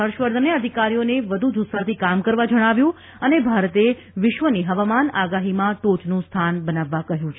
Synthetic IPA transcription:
əɾʃʋəɾd̪ʱəneəd̪ʱikaɾijoneʋəd̪ʱud͡ʒusat̪ʰikamkəɾʋad͡ʒəɽ̃aʋjũ | ənebʱaɾt̪e | ʋɪʃʋəniɦəʋamanaɡaɦimãʈot͡ʃnũst̪ʰanbənaʋːakəɦjũt͡ʃʰ

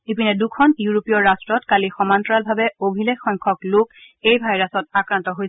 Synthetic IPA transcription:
ipinɛdukʰɔnjuɹopijɔɹɹastɹɔtkalixɔmantɹalbʱabɛobʱilekxɔŋkʰɔklʊk | ejbʱajɹasɔt̚akɹantɔɦoj

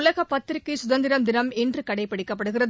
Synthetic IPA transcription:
lɐɣɐpːɐt̪ːɾɯkːɯsʊðɐnd̪ɪɾɐmd̪ɪnɐmɛndrɯkɐɽɐɪpːɐɽɪkːɐpːɐɽɯɣɪrɐð

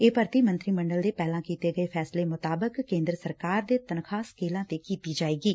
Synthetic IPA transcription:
eːpəɾt̪iːmə̃nt̪ɾiːməɳɖəld̪eːpɛːlãːkiːt̪eːɡəeːpʰɛːsleːmʊt̪aːbəkːẽːnd̪ɾəsəɾkaːɾd̪eːt̪ənkʰaːskeːlãːt̪eːkiːt̪iːd͡ʒaːeːɡiː

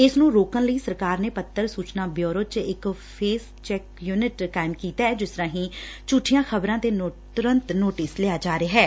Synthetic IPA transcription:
ɪsnũːɾoːkənləiːsəɾkaːɾneːpət̪ːəɾsuːt͡ʃnãːbjoːɾoːt͡ʃɪkpʰeːs | t͡ʃɛːkjuːnɪʈkaːɪmkiːt̪aːɛːd͡ʒɪst̪əɾãːɦĩːt͡ʃuːʈʰijãːxʰəbɾãːt̪eːt̪ʊɾə̃nt̪noːʈisleaːd͡ʒaːɾeːɦɛː

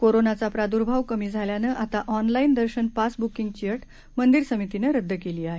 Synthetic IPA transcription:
koɾonat͡sapɾad̪uɾbʱaʋkəmiːd͡zʱaljanəːʔat̪aʔɔnlaind̪əɾɕənpasbukiŋɡ̚t͡ɕiəʈ | mənd̪iɾsəmit̪inəɾəd̪ʱːəkeliːaɦe

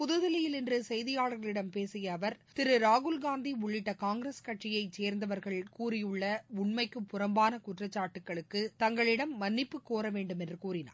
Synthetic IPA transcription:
pʊðɯðɐlɪjɪlɪndrɯsɛjðɪjaːɭɐɾɣɐɭɪɽɐmpeːsɪjɐːʋɐɾt̪ɪɾɯɾaːɣɯlɡaːnd̪iʊɭːɪʈːɐkaːŋɡɪɾeskɐʈt͡ʃɪjɐɪt͡ʃeːɾnd̪ɐʋɐɾɣɐɭkuːɾɪjɯɭːɐʊɳmɐɪkːɯpːʊɾɐmbaːnɐkʊʈrɐt͡ʃːaːʈːɯkːɐɭɯkːɯt̪ɐŋɡɐɭɪɽɐmːɐnːɪpːɯkːoːɾɐʋeːɳɖɯmɛndrɯkuːɾɪna̰ː

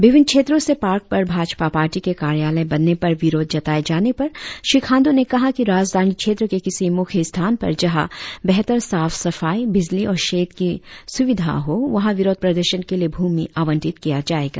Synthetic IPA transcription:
ʋɪʋɪn̚kʃʰeːt̪ɾõsepaːɾk̚pɐɾbʱaːd͡ʒpapaːɾʈikekaːɾjaːləebɐnːepɐɾʋɪɾoːd̪̚ʱd͡ʒɐt̪aːed͡ʒaːnepɐɾʃɪkʰãːnd̪unekɐɦakiɾaːd͡ʒd̪ʱaːnikʃʰeːt̪ɾəkekɪsimʊkʰjəst̪ʰaːnpɐ̰ɾd͡ʒɐɦa̰bɛɦt̪əɾsaːfsɐfaːibɪd͡ʒliɔːɾʃeːt̪kisʊʋɪd̪ʱa̰ɦoʋɐɦãʋɪɾoːd̪̚pɾɐd̪əɾʃənkeliebʱuːmiʔaːʋə̃nʈɪt̪kijad͡ʒaːeːɡa̰ː

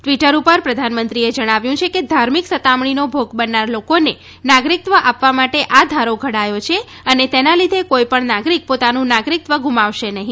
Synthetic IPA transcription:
ʈʋiʈəɾupəɾpɾəd̪ʱanmənt̪ɾied͡ʒəɽ̃aʋjũt͡ʃʰeked̪ʱaɾmiksət̪amɳinobʱoɡbənːaɾlokone | naɡɾik̚t̪ʋəʔapʋamaʈeʔad̪ʱaɾoɡʱəɽajot͡ʃʰe | ənet̪enalid̪ʱekoipəɳnaɡɾik̚pot̪anũnaɡɾik̚t̪ʋəɡʱumaʋʃenəɦĩ

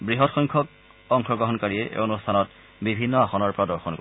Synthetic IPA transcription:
bɹiɦɔtxɔjŋkʰɔk̚ | ɔŋxʰɔɡɹɔɦɔnkaɹiɛʔḛonustʰanɔt | bibʱinːɔaxɔnɔɹpɔɹadɔɹxɔnko

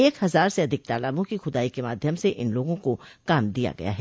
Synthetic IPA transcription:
eːkhɐzaːɾseɐd̪ʱɪk̚t̪aːlaːbõkixʊd̪aːikemaːd̪ʱjəmseʔɪnloːɡõkokaːmd̪ija̰ɡɐ̰ja̰ɦɛː

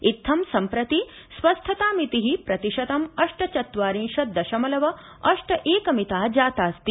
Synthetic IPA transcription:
it̪ʰːɐmsɐmpɾɐt̪i | sʋɐst̪ʰɐt̪aːmit̪iɦipɾɐt̪iʃɐt̪ɐmɐʂʈɐt͡ʃɐt̪ʋaːɾĩnʃɐt̪̚d̪ɐʃɐmɐlɐʋɐ | ɐʂʈɐʔeːkɐmit̪aːd͡ʒaːt̪aːst̪i

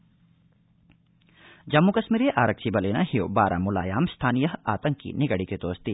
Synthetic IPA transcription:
d͡ʒɐmːukɐʃmiːɾeʔaːɾəkt͡ʃʰibɐleːnaɦijobaːɾʔa̰mʊla̰ːjaːmst̪ʰaːnijɐɦaːt̪ɐ̃ŋkːḭnɪɡəɽiket̪oːst̪i

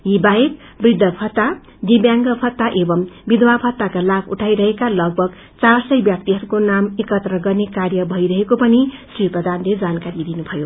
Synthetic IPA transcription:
jibaek | brid̪ʱːʌpʰʌt̪ːa | d̪ibjaŋɡʌpʰʌt̪ːaʔebʌmbid̪ʱwapʰʌt̪ːakalabʰuʈʰajɾʌɦekalʌɡ̚bʱʌɡ | t͡sarsʌjbjap̚t̪iɦʌɾukonamekʌt̪rʌɡʌrnekarjʌbʱʌjɾʌɦekopʌnisriprʌd̪ʱanled͡zankaɾid̪inubʱʌjo

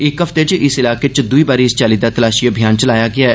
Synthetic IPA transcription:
ɪkɦəft̪et͡ʃʔɪsɪlaːket͡ʃd̪uibaːɾiɪst͡ʃaːlid̪at̪ɐlaːʃibʱijaːnt͡ʃɐlaːjaɡɪaːɛ

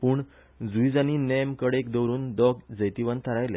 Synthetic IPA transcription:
puːɳ | d͡zujd͡zaniːnɛmkəɽekd̪əwɾuːnd̪ɔk̚d͡zəjt̪iʋənt̪ʰəɾajle

